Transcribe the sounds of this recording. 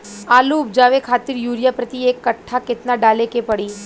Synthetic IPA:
aːluʊp̚d͡ʒaːʋekʰaːt̪ɪɾjuːɾijapɾət̪ieːkːɐʈʰːakɪt̪naɖaːlekepɐɽiː

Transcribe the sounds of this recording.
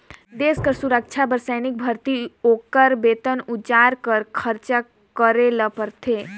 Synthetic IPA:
d̪eːskəɾsuɾək̚t͡ʃʰabəɾsɛːnɪk̚bʱəɾt̪ioːkəɾbeːt̪ənʊd͡ʒaːɾkəɾkʰəɾt͡ʃə | kəɾeləpəɾt̪ʰeː

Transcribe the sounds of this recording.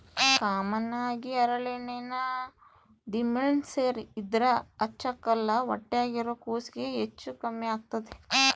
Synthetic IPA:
kaːmɐnaːɡiɐɾɐɭenenɐ | ɖimenseːɾid̪ɾɐɐt͡ʃːɐkːɐlːɐʋɐ̰ʈːejaːɡiɾoːkoːsiɡeɦet͡ʃːukɐmːeaːɡ̚t̪ɐd̪e

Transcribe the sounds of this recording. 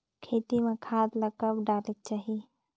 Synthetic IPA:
kʰeːt̪imẽkʰaːd̪ləkəbɖaːlek̚t͡ʃaːɦi

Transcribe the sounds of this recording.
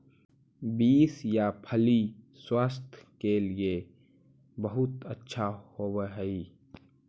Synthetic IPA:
biːsjapʰəli | swaːst̪ʰkelie | bəɦʊt̪ətːʃʰahoːwəɦɛi

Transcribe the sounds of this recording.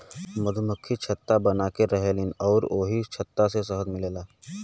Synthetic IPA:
mɐd̪ʱuməkʰːit͡ʃʰɐt̪ːabɐnaːkeɾɐɦelinɔːɾoːɦit͡ʃʰɐt̪ːasesɐɦəd̪mɪleːlaː

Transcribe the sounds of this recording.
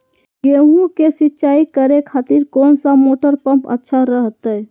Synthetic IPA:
ɡeɦũkesitːt͡ʃaikəɾekʰat̪iɾkonsamoʈəɾpəmpə̰tːʃʰaɾəɦt̪əj

